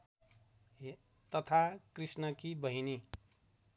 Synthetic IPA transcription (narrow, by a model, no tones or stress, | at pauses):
t̪ʌt̪ʰakrisnʌkibʌɦini